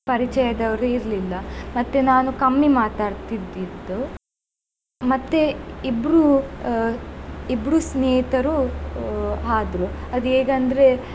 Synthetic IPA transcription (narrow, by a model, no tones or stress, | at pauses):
pɐɾit͡ʃɛjɐd̪ɐʋɐɾuiɾlilːɐmɐt̪ːenaːnukɐmːimaːt̪aːɽt̪id̪ːid̪ːu | mɐt̪ːeibɾu | ibɾusneːit̪ɐɾu | ɦaːd̪ɾuɐd̪ueːɡɐnd̪ɐɾe